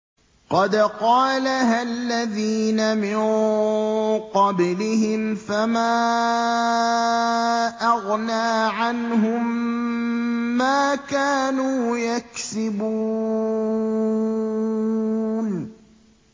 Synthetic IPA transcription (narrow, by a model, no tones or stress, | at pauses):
qɑd̪qɑːlaɦalːaðiːnamɪn | qɑblɪhɪmfamaː | ʔɑɣnaːʕanɦʊm | aːkaːnuːjaksɪbuː | n